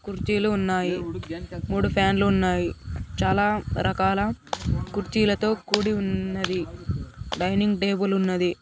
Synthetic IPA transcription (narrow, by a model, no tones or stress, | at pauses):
kuɾt͡ʃiːluːnːaːji | muːɽupʰaːnluːnːaːjit͡ʃaːlaːɾʔɐkaːlɐkuɾt͡ʃiːlɐt̪o̞ːkuːɽiunːɐd̪i | ɖɐjniŋɡʈe̞ːbulunːɐd̪i